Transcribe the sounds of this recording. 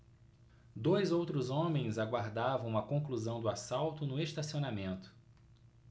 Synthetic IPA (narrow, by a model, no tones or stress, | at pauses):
d̪ojzowt̪ɾʊzõmẽj̃zaɡwaɾd̪avɐ̃w̃ɐkõŋkluzɐ̃w̃d̪ʊasawt̪ʊnʊeʃt̪asionamẽnt̪ʊ̥